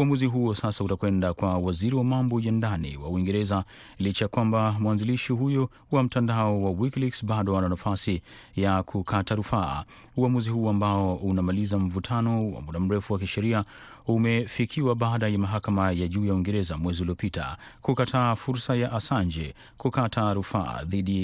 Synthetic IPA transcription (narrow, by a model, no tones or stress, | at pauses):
uamuziɦuɔsasautakwɛndakwawaziɾiwamambɔjandanḭwa̰uiŋɡɛɾɛza | lit͡ʃajakwambamwanziliʃiɦujɔ | wam̩tandaɔwawikliksbaɗɔananafasijakʰukʰataɾufa̰ː | uamuzihuɔambaɔʔunamalizam̩vutʰanɔwa̰muɗam̩ɾɛfuwakiʃɛɾia | umɛfikʰiwaɓaaɗajamaɦakamajaʄuːjauwiŋɡɛɾɛzamwɛziuliɔpitʰa̰kukatʰaːfuɾsajaʔasand͡ʒɛ | kukatʰaɾufa̰a̰ðiɗi